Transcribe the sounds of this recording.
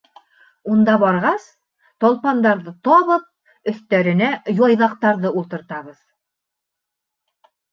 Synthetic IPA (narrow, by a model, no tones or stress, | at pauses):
und̪ɑbɒɾʁɑs | t̪ɒlˠpɑnd̪ɑɾðɤt̪ɒβɤp̚ | ɵ̆θt̪æɾɘ̆næjɒjðɑqt̪ɑɾðɤulˠt̪ɤ̆ɾt̪ɑβɤð